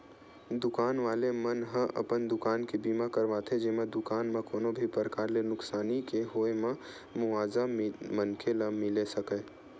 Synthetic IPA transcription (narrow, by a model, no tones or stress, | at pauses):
d̪ʊkaːnʋaːlemənɦə̃ʔɐ̰pənd̪ʊkaːnkibiːmakəɾʋaːt̪ʰed͡ʒeːmẽd̪ʊkaːnmẽkoːnobʱipəɾəkaːɾlenʊksaːnikeɦoːemã | mʊʋaːzamənkʰeləmɪlesəkeː